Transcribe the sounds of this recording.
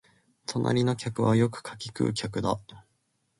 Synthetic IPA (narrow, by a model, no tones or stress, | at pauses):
t̪onʔa̰ɾʲino̞kʲakɯ̟βajo̞kɯ̟̥kʰḁkʲikɯ̟̰ːkʲakɯ̟d̪a